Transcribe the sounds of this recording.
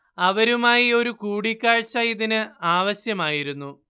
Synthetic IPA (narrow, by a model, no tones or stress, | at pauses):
ɐʋɐɾumaːjio̞ɾukuːɽikʲːaːɻt͡ɕːɐjiðinɨaːʋɐɕjɐmaːjiɾunːu